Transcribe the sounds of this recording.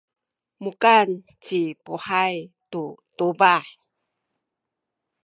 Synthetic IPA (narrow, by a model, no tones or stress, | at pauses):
mukan | t͡ɕipuħajtutubaħ